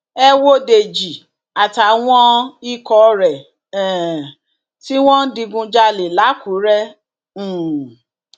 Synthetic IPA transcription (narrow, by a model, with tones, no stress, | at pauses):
ɛ˦wo˦de˨d͡ʒi˨ | a˨ta˨w̃ɔ̃˦i˦kɔ˧˦ɾɛ˨ | ɛ˨ | ti˦w̃ɔ̃˦n̩˦di˧ɡũ˧d͡ʒa˧le˨la˨˦ku˨˦ɾɛ˦˨